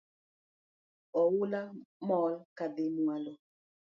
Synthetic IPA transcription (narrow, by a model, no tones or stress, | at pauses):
ɔwulamɔːlkabemualɔ